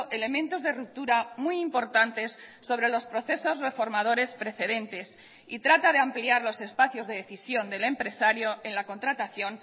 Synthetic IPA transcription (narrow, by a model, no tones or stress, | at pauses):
ʔe̞le̞mẽnt̪o̞zðe̞rup̚t̪uɾamujimpoɾt̪ant̪e̞sː | o̞β̞ɾe̞lo̞spɾo̞θe̞so̞zre̞fo̞ɾmað̞o̞ɾe̞spɾe̞θe̞ðe̞nt̪e̞s | it̪ɾat̪aðeampliaɾlo̞se̞spaθjo̞zðe̞ðeθisjo̞nd̪e̞le̞mpɾe̞saɾjo̞e̞nlako̞nt̪ɾat̪aθjo̞n